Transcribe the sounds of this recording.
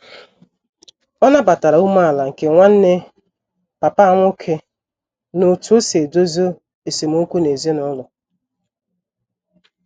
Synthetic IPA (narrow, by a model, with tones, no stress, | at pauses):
ɔ˦na˦ba˨ta˨ɾa˨u˦ma˦a˨la˨ŋ̩˨ke˨ŋʷa˦n̩˦ne˦ | pa˨pa˦a˦˨ŋʷʊ˦kʰe˦ | no˨tu˨˦o˦se˨do˦zo˦ | e˨si˨m˦o˦kʷu˦ne˨zi˦nʊ˦lʊ˨